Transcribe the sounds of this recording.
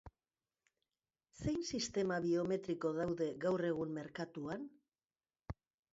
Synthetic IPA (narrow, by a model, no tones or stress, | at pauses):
sejnsist̪e̞maβio̞me̞t̪ɾiko̞ðawðe̞ɣawre̞ɣ̞umme̞ɾkat̪uan